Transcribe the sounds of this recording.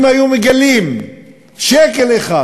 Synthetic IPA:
majumeɡalim | ʃekeleχa

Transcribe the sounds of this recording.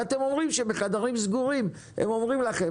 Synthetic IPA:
at̪e̞mo̞mʁimʃebeχad̪aʁimzɡuʁim | ḛmo̞mʁimlaχe

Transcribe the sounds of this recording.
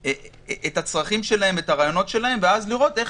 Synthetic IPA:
e | ʔetat͡sʁaχimʃe̞lahe̞metaʁaːjo̞no̞tʃe̞lahe̞mveazliʁo̞t̪e̞

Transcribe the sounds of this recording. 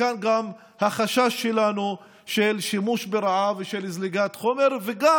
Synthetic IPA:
anɡam | haχaʃaʃːelanu | ʃelʃimuʃbeɾaʕaveʃelizliɡat̪χo̞meɾveɡa

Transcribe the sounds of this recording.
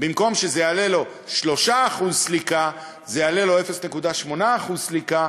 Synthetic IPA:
bimko̞mʃezejaalelo̞ | ʃlo̞ʃaːχuzslika | zejaːle̞lo̞efe̞snekud̪aʃmo̞naːχuzslika

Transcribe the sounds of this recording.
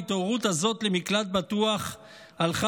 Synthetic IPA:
it̪oʁut̪hazo̞t̪lemiklat̪̚bat̪uaχ | alχa

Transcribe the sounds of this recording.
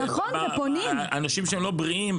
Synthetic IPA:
naχonveponimanaʃimʃeemlo̞bʁiim

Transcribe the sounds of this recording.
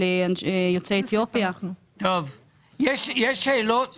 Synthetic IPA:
eajot͡seet̪jopjau | t̪ov | jeʃjeʃːeːlot

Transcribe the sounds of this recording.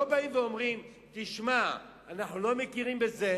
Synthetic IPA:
obaimveo̞mʁim | t̪iʃma | anaχnulo̞mekiʁimbe̞ze̞

